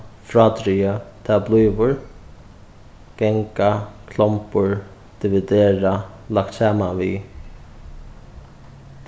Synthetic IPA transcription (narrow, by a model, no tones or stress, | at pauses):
fɾat̪ɾiət̪ʰaːblujvʊɹ | ɡ̥ɛŋkakʰlɔmpʊɹ | d̪̥ɪvɪd̪eːɹa | lak̚t̪sɛːmanvi